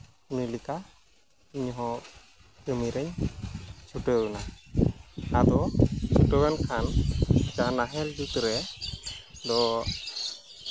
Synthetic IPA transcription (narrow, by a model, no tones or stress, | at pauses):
unilika | iɲɦɔ̃ | kəmiɾɛɲ | t͡ʃʰuʈɔɡɔna | adɔt͡ʃʰuʈɔɡankʰand͡ʒanaɦɛld͡ʒut̪ɾɛ | d̪ɔ